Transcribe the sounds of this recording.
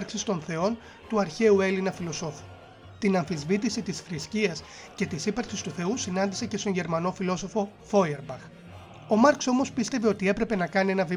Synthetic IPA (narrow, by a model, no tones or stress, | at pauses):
ɾksist̪o̞nθe̞o̞n | t̪uɐɾçe̞ue̞linɐfilo̞so̞fu̥ | t̪inɐɱfizvit̪isit̪isfɾisciɐs | ce̞t̪isipɐɾksist̪uθe̞usinɐnd̪ise̞ce̞st̪o̞ɲʝe̞ɾmɐno̞filo̞so̞fo̞ | fo̞ieɾbɐx | o̞mɐɾkso̞mo̞spist̪e̞ve̞ot̪ie̞pɾe̞pe̞nɐkɐnienɐvi